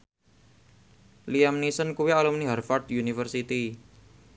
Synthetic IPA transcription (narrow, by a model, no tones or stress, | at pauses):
liamnisənkuwialumniɦarfard̪junifərsit̪i